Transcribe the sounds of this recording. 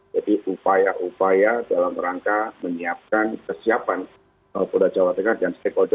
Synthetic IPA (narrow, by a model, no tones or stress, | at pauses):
d͡ʒadiʔupajaʔupajadalamɾaŋkaməɲiap̚kankərsiapan | baapudad͡ʒawat̪əkadanst̪ɛkɔd͡ʒ